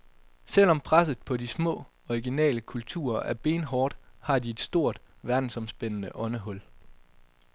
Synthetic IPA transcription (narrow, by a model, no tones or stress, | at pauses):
sel̰ɒ̽mpʰʁas̬ð̩ˠpʰɒ̽dismɔ̰̽ː | ɒiɡ̥inɛ̰ːləkʰult͡sʰṵːɐæɐb̥e̝̰ːnɦɒːd̥hɑ̈d̥ie̝d̥sd̥o̝ɐ̰d̥ʋæɐd̥n̩sɒ̽msb̥enənəʔɒ̽nəɦɔ̽l̰